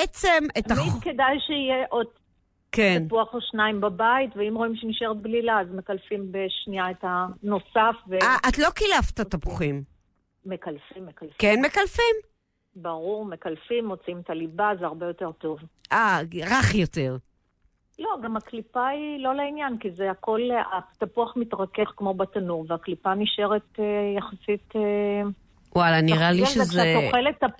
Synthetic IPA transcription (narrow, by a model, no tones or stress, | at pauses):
et͡semetaamidkedajʃeijeʔod | keanpuaχoʃnaimbabaitveimʁoimʃeniʃeʁet̪̚blilaazmekalfimbeʃniaethano̞safveaʔat̪lo̞kilaft̪at̪apuχim | mekalfimːekalfkenme̞kalfim | baʁuʁmekalfimːot͡siimet̪alibazeaʁbejo̞te̞ʁt̪o̞vʔaʁaχjo̞te̞ʁ | lo̞ɡamaklipailo̞leinjankizeako̞lat̪apuaχmit̪ʁakeχkmo̞bat̪anuʁveaklipaniʃeʁetejaχasite | walaniʁaliʃezaeoχelet̪ːa